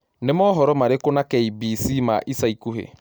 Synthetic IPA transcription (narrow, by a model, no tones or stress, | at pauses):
nemɔɦɔɾɔmaɾekonakɛibisima̰ʔisaikuɦḛ